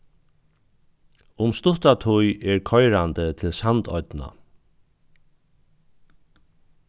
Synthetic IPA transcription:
ʊmst̪ʊt̪at̪ʰʊjɛɹkʰɔjɾant̪ət̪ʰɪlsant̪ɔ̰ʏt̪na̰

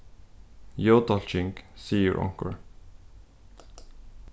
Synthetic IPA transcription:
jod̪ɑlt͡ʃɪŋɡsiːjə̰ɹʔɑ̰̃ŋkə̰ɹ

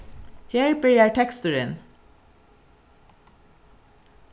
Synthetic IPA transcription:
heːɹbiːɹjæɪʈʰɛkst̪əɹən

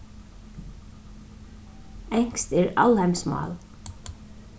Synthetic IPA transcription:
ɛŋ̥kst̪ɛɹalhɛmsmɑ̰ːl

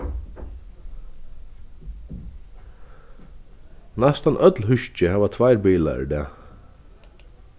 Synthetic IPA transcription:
nɛst̪anʔœt̪lɦʏʃt͡ʃɪhaːʋat̪ʰvajɾbiːla̰d̪ɛ̰ː

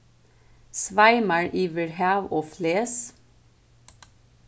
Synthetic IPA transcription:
sʋæɪməɹʔiːʋəɹhæːʋoːfleːs

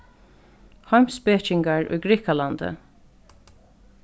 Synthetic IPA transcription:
hɔɥmspɛt͡ʃɪŋɡaɹʊ̰jɡɹiːkaland̪ə̰

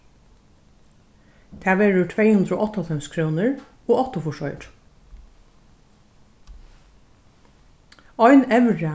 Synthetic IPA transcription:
t̪ʰæːʋeːɹʊt̪ʰveːjhʉnd̪ɾoːʔɔht̪ːɔlfɛmskʰɾoːnəɹ | oːɔt̪əfɔʂɔʏɾ | ɔʏnɛʋɹa

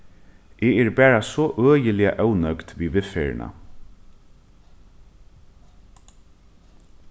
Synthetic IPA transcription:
ʔeːɛɹbæːɹasɔʔøːjəlɪa̰ʔœwnœkt̪ʋiːʋɪfeːɹ̰na̰

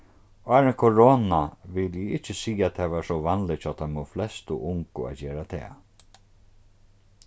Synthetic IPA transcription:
aːɾɛnkʰɔɹoːnaʋɪljɪɪht͡ʃːɪsiːat̪ʰɛːʋaːʂɔʋanlɪt͡ʃʰɔːt̪ʰamɔflɛst̪ʊʔʊŋkʊ̰a̰t̪d͡ʑeːɾat̪ʰɛ̰ː

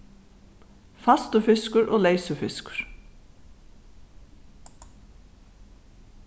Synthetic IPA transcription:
fɑst̪əfɪskʊɾʔoːleɪsəfɪskʊ̥ɹ̥

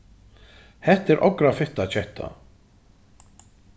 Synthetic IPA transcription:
hɛht̪ɛɾʔɔ̰kɾafɪht̪at͡ɕʰɛht̪ʰa̰

